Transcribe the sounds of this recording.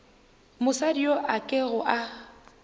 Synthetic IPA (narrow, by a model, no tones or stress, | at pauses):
mʊsadioʔakʼɪɣʊʔa